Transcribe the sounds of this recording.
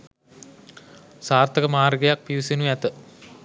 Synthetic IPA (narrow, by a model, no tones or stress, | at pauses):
saːrt̪ɐkɐmaːrɡɐjak̚piusinujat̪ɨ